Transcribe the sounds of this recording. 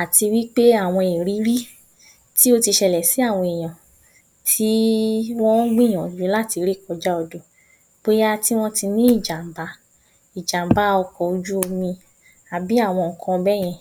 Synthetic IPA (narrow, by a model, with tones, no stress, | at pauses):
a˨ti˧wi˦k͡pe˦a˦˨w̃ɔ̃˧e˨ɾi˨˦ɾi˦ | ti˦o˦ti˧ʃɛ˧lɛ˨si˦a˦˨w̃ɔ̃˧e˨j̃ã˨ | tʰi˦w̃ɔ̃˦ɡ͡bĩ˦˨ɔ̃˨d͡ʒu˨˦la˦˨ti˧ɾi˦˨kɔ˧d͡ʒa˦ɔ˧do˨ | k͡po˦ja˦ti˦w̃ɔ̃˦ti˧nĩ˦i˦˨d͡ʒa˨m˨ba˨˦ | i˨d͡ʒa˨m˨ba˦ɔ˧kɔ˧u˧d͡ʒu˦o˧mĩ˧ | a˨bi˨˦a˦˨w̃ɔ̃˧ŋ̩˨kʰã˧bɛ˦˨j̃ɛ̃˧